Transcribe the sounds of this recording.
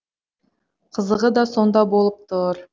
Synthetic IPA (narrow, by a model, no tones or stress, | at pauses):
qʰəzəʁəd̪ɑso̞nd̪ɑbo̞lˠəp̚t̪ʰʊɾ